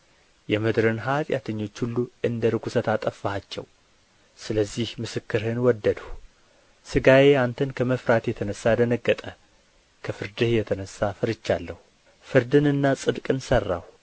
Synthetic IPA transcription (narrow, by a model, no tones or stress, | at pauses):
jɛmɨd̪ɾɨnɦat̪ʼja̰t̪ʰəɲːo̞t͡ʃːhulːuɨnd̪əɾɨɡʷusət̪at̪ʼəfːhat͡ʃːɛ̰w | sɨləzːihmɨsɨkːɨɾhɨnwɔd̪ːəd̪ə | sɨɡaje̞ant̪ʰənkʰəməfɾat̪jɛt̪ʰənəsːad̪ənəɡːət̪ʼə | kʰəfɨɾd̪ɨhjɛt̪ʰənəsːafɨɾɨt͡ʃːalːəhu | fɨɾd̪ɨnɨnːasʼɨd̪kʼɨnsərːa̰w